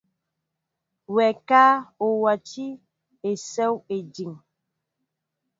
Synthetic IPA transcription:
wɛ˨kaː˦o˨wa˨ti˦ | e˨sɛ˦we˨d͡ʒi˨ŋ

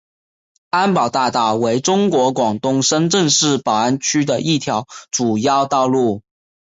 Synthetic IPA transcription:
a˥npɑ˨˩ʊt̪a˥˧t̪a˥˩we˧˥ɪʈ͡ʂʊ˥ŋkwɔ˧˥kwɑ˨˩ŋt̪ʊ˥˩ŋʂə˥nʈ͡ʂə˥˧ŋʂɻ̩˥˩pɑ˨˩ʊa˥nt͡ɕʰy˥d̪ə˨ʔi˥˩t̪ʰjɑ˧˥ʊʈ͡ʂu˨˩jɑ˥˧ʊt̪ɑ˥˧ʊlu˥˩

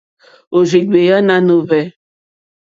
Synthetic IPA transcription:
o˨zi˨ɡ͡be˨ja˦nã˦nõ˨vɛ˨

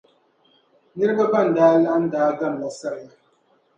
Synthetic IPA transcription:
ni˦ɾbə˦ba˦˨n̩˨daː˦la˦n̩˦daː˨˦ɡa˦˨m˨la˨sa˦˨j

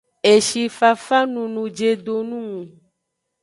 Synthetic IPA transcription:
e˨ʃi˨fa˨fa˦nũ˨nũ˨d͡ʒe˨d̪o˨nũ˦ŋũ˨

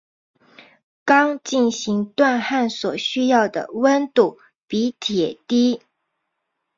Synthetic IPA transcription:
kɑ˥ŋt͡ɕi˥˩nɕi˧˥ŋt̪wa˥˧nxa˥˩nswɔ˨˩ɕy˥jɑ˥˩ʊd̪ə̰˩wə˥nt̪u˥˩ | pi˧˥t̪ʰjɛ˨˩t̪i˥

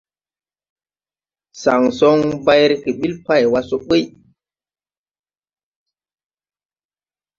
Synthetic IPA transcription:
sa˨ŋsɔ˦ŋba˦jɾe˦ke˨ɓi˦lpa˦˨jwa˦so˦ɓe˦j

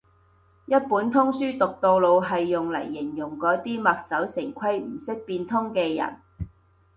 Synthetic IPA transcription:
jɐ˥t̚puː˨˥nt̪ʰʊ˥ŋsyː˥t̪ʊ˨k̚t̪o˧wlo˨˧wɦɐ˨jːʊ˨ŋlɐ̰˨˩jːɪ˨˩ŋjʊ˨˩ŋkɔː˨˥t̪iː˥mɐ˨k̚sɐ˨˥wsɪ˨˩ŋkʰɐ˥jm̩˨˩sɪ˥k̚piː˧nt̪ʰʊ˥ŋkɛː˧jɐ̰˨˩n

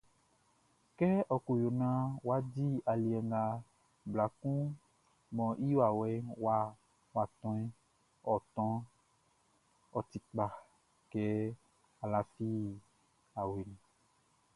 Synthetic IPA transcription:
kɛ˦ʔɔ˨ko˨jo˨nã˦wa˦di˦a˨li˨ɛ˨ŋɡa˨ | bla˨kũ˦ | mɔ̃˨ʔi˦wa˨wɛ˦wa˦ | wa˨t̪ɔ̃˦i˦ | ɔ˨t̪ɔ̃˦ | ɔ˨t̪i˨k͡pa˨ | kɛ˦ | a˨la˨fi˦˨ | a˨we˨nĩ˨

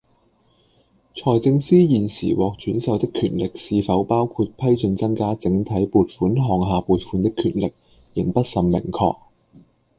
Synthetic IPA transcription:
t͡ʃʰɔː˨˩jt͡sɪ˧ŋsiː˥jiː˨nsḭː˨˩wɔː˨k̚t͡ʃyː˨˥nsɐ˨˧wt̪ɪ˥kʰːyː˨˧t̚lɪ˨k̚siː˨˧fɐ˨˥wpaː˥wkʰu˧t̚pʰɐ˥jt͡sɵ˧nt͡sɐ˥ŋkaː˥t͡sɪ˨˧˥ŋt̪ʰɐ˨˥jpuː˨˧t̚fuː˨˥nɦɔː˨˩ŋɦaː˨˧puː˨˧t̚fuː˨˧nt̪ɪ˥kʰːyː˨˧t̚lɪ˨k̚ | jɪ˨˩ŋpɐ˥t̚sɐ˨˩mmɪ̰˨˩ŋkʰɔ̰ː˧k̚

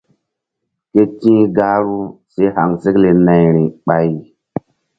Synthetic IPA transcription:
ke˦tĩː˦ɡa˦ɾu˦se˦ha˨ŋse˦kle˨na˨jɾi˨ɓa˨j

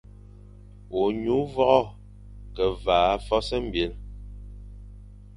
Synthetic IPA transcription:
o˨ɲu˨˦vɔ˦ʔɔ˦ | kɛ˨vaː˨˦fɔ˦sɛ˦m̩˦˨bje˨˦l

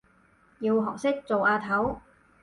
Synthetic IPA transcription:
jiː˧wɦɔː˨˩k̚sɪ˥k̚t͡so˨wʔaː˧t̪ʰɐ˨˥w

